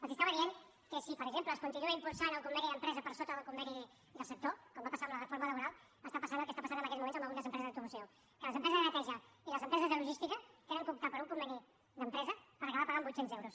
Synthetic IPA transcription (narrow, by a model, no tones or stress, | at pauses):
əlˠkəst̪aβəðien | kəsipəɾəɡzempləːskunt̪inuəimpulˠsanəlˠkumbɛniðəmpɾɛzəpəɾsot̪əðəlˠkumbɛni | ðəlˠsək̚t̪okɔmbapəsaəmlərəfoɾmələβuɾalˠ | ast̪apəsanəlˠkəst̪apasanəmbəkɛzmumenzəməlˠund̪əzəmpɾɛzðəpt̪ɾuβusio | kələzəmpɾɛzəzðənət̪ɛʒəiləzəmpɾɛzəzðəluʒist̪ikət̪enəŋkup̚t̪apəɾuŋkumbɛni | ðəmpɾɛzəpəɾəkəβapəɣambusenzɛwɾus